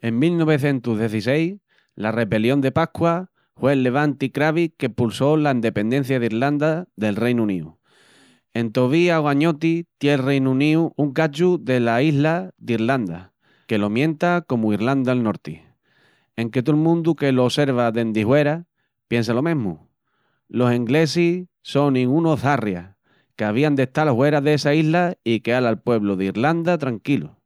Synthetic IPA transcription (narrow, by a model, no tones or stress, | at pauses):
e̞ŋmilno̞β̞e̞θjẽ̞nt̪uɦðje̞θise̞j | lare̞βe̞ljo̞nd̪e̞pakwa | hwe̞lːe̞β̞ant̪ikɾaβike̞pulso̞laind̪e̞pe̞nd̪e̞n̟θjaðiɾland̪aðe̞lrejnũniṵ | e̞nt̪o̞β̞iaɣwaɲo̞t̪it̪jelrejnũnĩuʔuŋkat͡ʃuðe̞laiɦlaðiɾland̪a | ke̞lo̞mjẽ̞nt̪ako̞muiɾland̪alno̞ɾt̪i | e̞ŋke̞t̪̬olmũnd̪uke̞loːse̞ɾβ̞aðe̞nd̪ihwe̞ɾa | pje̞ns̬alo̞mẽɦmṵ | lo̞seŋɡle̞si | so̞nĩŋɡunoθarja̰ | ke̞aβ̞iand̪e̞ht̪alhwe̞ɾaðeesaiɦlaikealalpwe̞βloðeiɾland̪at̪ɾaŋkilṵ